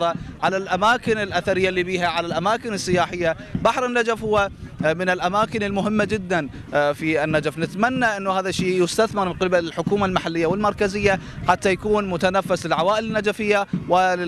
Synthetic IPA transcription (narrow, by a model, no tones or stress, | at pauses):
ɾˤɑʕalalʔamaːkɪnɪlʔaθaɾɪjːalːiːbiːɦaʕalalʔamaːkɪnɪsːɪjaːħɪjːa | baħɾˤɪnːad͡ʒafhʊwːamɪnɪlʔamaːkɪnɪlmʊɦɪmːad͡ʒɪd̪ːan | fiɪnːad͡ʒafnɪt̪manːaʔɪnːuhaːðaʃːiːjʊst̪aθmɪɾmɪnqɪbalɪlħʊkuːmalmaħalːɪjːawɪlmɑɾˤkazɪjːaħat̪ːajakuːnmʊt̪anafːaslɪlʕawaːʔɪlɪnːad͡ʒafɪjːawɪ